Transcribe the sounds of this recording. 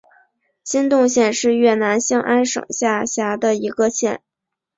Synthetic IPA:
ɕi˥nt̪ʊ˥˧ŋɕjɛ˥˧nʂɻ̩˥˧ɥɛ˥˩na˧˥nɕjɑ˥ŋʔa˥nʂɤ̰˨˩ŋɕja˥˩ɕja˧˥d̪ə˧i˧˥ɡə˧ɕjɛ˥˩n

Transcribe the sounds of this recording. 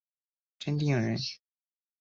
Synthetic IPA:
ʈ͡ʂə˥nt̪̬i˥˩˨ɻə˧˥n

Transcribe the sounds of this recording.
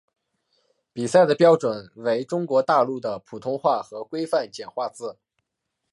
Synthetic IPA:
pi˨˩sa˥˩ɪd̪ə˩pjɑ˥ʊʈ͡ʂwə˨˩˦nwe˧˥ɪʈ͡ʂʊ˥ŋkwɔ˧˥t̪a˥˧lu˥˩d̪ə˩pʰu˨˩t̪ʰʊ˥ŋxwa˥˩xɤ˧˥kwe˥ɪfa˥˩nt͡ɕjɛ˨˩nxwa˥˧t͡sɹ̩˥˩

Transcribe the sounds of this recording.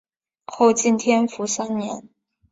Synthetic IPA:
xo˥˧ʊt͡ɕi˥˧nt̪ʰjɛ˥nfu˧˥sa˥nnjɛ̰˧˥n

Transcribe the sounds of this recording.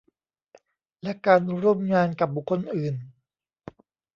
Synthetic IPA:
lɛ˦˥ʔkaː˧nɾu˥əmŋaː˧nka˨˩p̚bu˨˩kʰːo˧nʔɯː˨˩n

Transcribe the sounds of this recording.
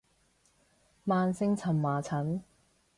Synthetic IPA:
maː˧nsɪ˥ŋt͡sʰɐ˨˩mwaː˨˩t͡sʰɐ˨˥n

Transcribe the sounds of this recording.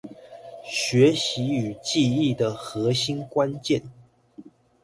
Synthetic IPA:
ɕɥɛ˨˦ɕi˨˦y˨˩t͡ɕi˥˧i˥˨d̪ə˩xɤ˨˦ɕi˦nkwa˦nt͡ɕjɛ˥˨n

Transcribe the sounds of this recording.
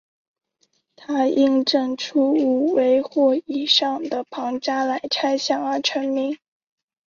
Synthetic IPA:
t̪ʰa˥i˥˧ŋʈ͡ʂɤ˥˩ŋʈ͡ʂʰu˥u˨˩we˧˥ɪxwɔ˥˩i˨˩ʂɑ˥˩ŋd̪ə˩pʰɑ˧˥ŋt͡ɕja˥la˧˥ɪʈ͡ʂʰa˥ɪɕjɑ˥˩ŋə˧˥ʈ͡ʂʰə˧˥nmi˧˥ŋ

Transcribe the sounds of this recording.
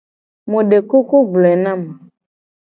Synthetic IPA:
mõ˨ɖe˨ko˦ko˦ɡ͡blɛ˨nã˦mã˨

